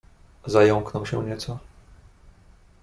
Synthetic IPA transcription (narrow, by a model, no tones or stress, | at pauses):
zajɔŋknɔwɕɛɲɛt̪sɔ